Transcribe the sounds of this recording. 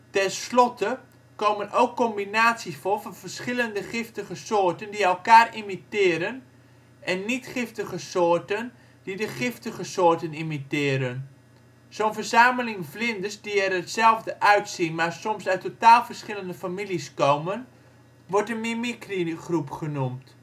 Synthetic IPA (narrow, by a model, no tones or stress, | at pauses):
tɛnslɔtə | kowmənʔowkːɔmbinaːsisfolˠvɔnvərsχɪləndəχɪftəɣəsoːrtəndiɛlˠkaːrimitɪːɾən | ʔɛnːitχɪftəɣəsoːrtən | d̥idəχɪftəɣəsoːrtənimitɪːɾən | soːnvərzaːməlɪŋvlɪndəsdiɛɾətsɛlˠvdəʔœɥtsinmaːrsɔmsœɥtʰːotaːlˠvərsχɪləndəfamiliskowmən | ʋɔrtənmimikriχrupχənumt